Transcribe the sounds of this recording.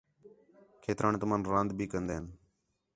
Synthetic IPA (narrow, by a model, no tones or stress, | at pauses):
kʰeːt̪ɾaːnt̪ʊmãːnɾãːnd̪bʱiːkənd̪eːɦən